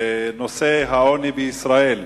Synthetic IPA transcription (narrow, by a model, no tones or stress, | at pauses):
noseɦaonibeisʁael